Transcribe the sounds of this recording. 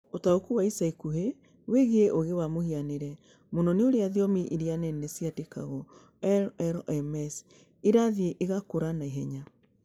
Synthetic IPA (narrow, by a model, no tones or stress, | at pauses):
otaokuwaisaikuɦe | weɣeeʔoɣewamohianeɾɛ | monɔneoɾeaðiɔmiʔiɾianɛnɛsijateka̰ɣɔ | ɛɛɾɛmɛs | iɾaðieʔeɣakoɾanaiɦɛɲa